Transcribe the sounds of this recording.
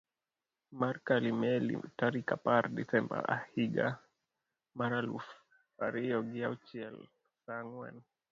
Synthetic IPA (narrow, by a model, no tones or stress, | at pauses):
maɾkalimɛlḭtaɾikapaɾdisɛmba̰ahiɡa | maɾalṵf | a̰ɾiɔɡiat͡ʃiɛl | saŋwɛ̰n